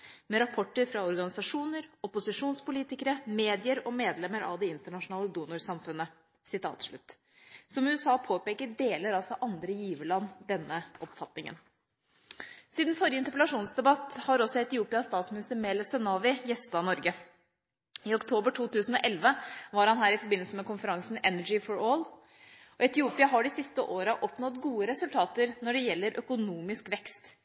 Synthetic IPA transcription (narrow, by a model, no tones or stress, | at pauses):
mɛɾɑpʰɔʈːəɾfɾɑɔɾɡɑnɪsɑʂuːnəɾɔpʊsɪʂuːnspʊliːt̪ɪkəɾəmeːd̪ɪəɾɔmeːd̪lɛmːəɾɑ̰ʋd̪ɛɪnt̪əɳɑʂʊnɑːləd̪uːnʊɾsɑmfʉnːə | sɪt̪ʰɑ̰ːt̪ʂɭʉ̰t̪ː | sɔmʉːɛsɑːpʰoːpeːkəɖeːləɾɑlsɔʔɑnd̪ɾəjiːʋəɭɑnːd̪ɛnːəʔɔpfɑt̪nɪŋə̰n | siːd̪nfɔɾɪjəɪnt̪əɾp̬ɛlɑʂuːnsd̪ɛbɑt̪ːhɑɾɔsːɔɛt̪ɪuːpɪɑst̪ɑːt̪smɪnɪst̪əɾmɛlɛsɛnɑːʋɪjɛst̪d̪ɑːnɔɾɡə | ɪɔkt̪ʰoːbəʈʰuːt̪ʉːsn̩ɔʔɛlʋəʋɑɾhɑnɦæːɾɪfɔɾbɪnːlsəmɛkʊnfəɾɑŋsn̩ɛnəd͡ʒɪfɔɾoːl | ɔɛt̪ɪuːpɪɑɦɑɖɪsɪst̪əʔoːɾəʔɔpnɔt̪ɡuːəɾɛsʉlt̪ʰɑːt̪əɾnɔɖɛjɛlːəɾʔœkʊnuːmɪskʋɛkst̪